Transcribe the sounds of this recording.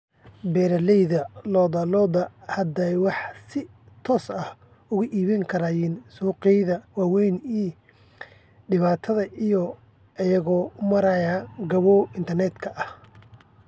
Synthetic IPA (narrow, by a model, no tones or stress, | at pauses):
bɛːɾɐlɛjðɐlɔːd̪ɐlɔːd̪ɐhɐd̪ɛjwɑħsɪ | t̪ʰɔːsɐh | ʊɣʊʔiːβɐŋkʰɐɾaːjiːnsuːqɛjðɐwɑːwɛjniː | ɖɪβaːt̪ʰɐðɐʔijɔ | ɐjɐɣɔːʊmɐɾɐjaːɡɐβɔːɪnt̪ʰɐrnɛd̪kʰɐʔɐh